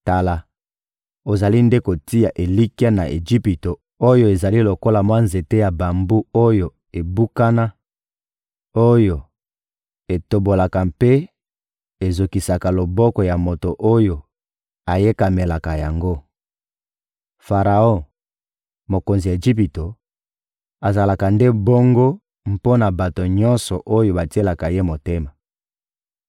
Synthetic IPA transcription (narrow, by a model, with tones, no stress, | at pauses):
ta˨la˨ | o˨za˨li˦nde˦ko˨ti˦ja˨ʔe˨li˦ki˦a˦na̰˨ʔḛ˨ʒi˦pi˨to˨ | o˦jo˦e˨za˨li˦lo˨ko˦la˨mwa˦nze˨te˦ja˨ba˨mbu˦o˦jo˨ | e˨bu˦ka˦na˦ | o˦jo˨ | e˨to˨bo˨la˨ka˨mpe˦ | e˨zo˨ki˨sa˨ka˨lo˨bɔ˦kɔ˨ja˨mo˨to˨ʔo˦jo˨ | a˨je˦ka˨me˨la˨ka˨ja˨ŋɡo˦ | fa˨ʁa˨õ˦˨ | mo˨ko˨nzi˨e˨ʒi˦pi˨to˨ | a˨za˨la˨ka˨nde˦bɔ˦ŋɡo˦ | m̩˦po˦na˨ba˨to˨ɲɔ˦nsɔ˨ʔo˦jo˨ba˨ti˦e˦la˨ka˨je˦mo˨te˦ma˨